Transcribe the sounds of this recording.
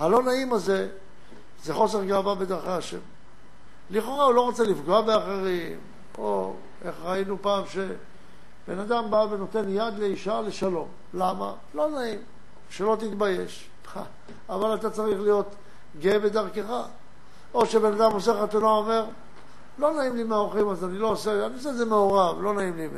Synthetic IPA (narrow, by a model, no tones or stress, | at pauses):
halo̞naimaze̞ | zeχo̞se̞ʁɡaːvabed̪aʁχeaʃe̞̰m | liχo̞ʁaulo̞ʁot͡selifɡoabeaχe̞ʁim | o̞̰ | eχʁainupaːmʃe̞ | b̥e̞̰nad̪ambaveno̞t̪e̞njad̪leiʃale̞ʃalo̞m | lama̰ | lo̞naim | ʃelo̞t̪̬it̪baje̞ʃ | a | avalat̪at͡saʁiχlijo̞t̪ | ɡebed̪aʁkeχa | o̞ʃebenad̪amo̞seχat̪unaome̞ʁ | lo̞naimlimeaoχimazanilo̞ːseanios̬ezemeoʁavlo̞naimlimḛ